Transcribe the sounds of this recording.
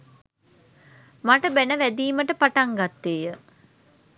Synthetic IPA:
maʈəbænəʋæd̪iːməʈəpaʈaŋɡat̪ːeːjə

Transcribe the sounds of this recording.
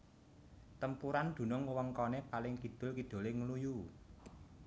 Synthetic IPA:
t̪əmpuɾand̪̥ṳnʊŋwəŋkɔnepalɪŋkid̪̥ʊ̤lkid̪̥o̤leŋəluju

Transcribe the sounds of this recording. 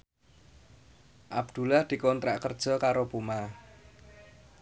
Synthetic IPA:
ʔabd̪̥ṳlahd̪̥i̤kɔnt̪ɾa̰ʔkərd̥ʒ̥ɔ̤kaɾopuma

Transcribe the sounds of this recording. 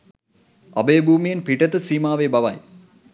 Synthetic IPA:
ɐ̰bəjəbʱuːmijenpiʈət̪əsiːmaːʋebɐʋɐ̰j

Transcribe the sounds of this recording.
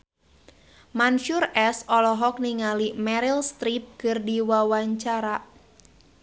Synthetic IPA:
manʃurɛsɔlɔɦɔk̚niŋalimɛɾilst̪ɾip̚kɨrdiwawaɲt͡ʃaɾa

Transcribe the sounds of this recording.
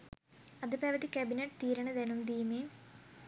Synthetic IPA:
ɐðupeːʋɐt̪ikʲɐbineʈːt̪iːɾɐɳɐðenumd̪iːmeːm

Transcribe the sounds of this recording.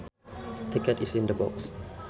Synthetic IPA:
t̪ikətisĩndəbɔ̰ks

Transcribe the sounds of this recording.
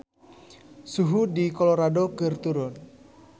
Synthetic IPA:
suɦudikolɔɾadokɨrt̪uɾʊn

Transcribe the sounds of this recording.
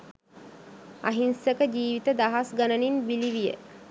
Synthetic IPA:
a̰ɦinsəkəd͡ʑiːʋit̪əd̪aɦasɡanəninbiliʋijə̰

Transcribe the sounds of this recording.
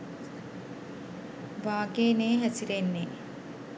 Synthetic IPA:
baːɡeːneːɦæsiɾenːe

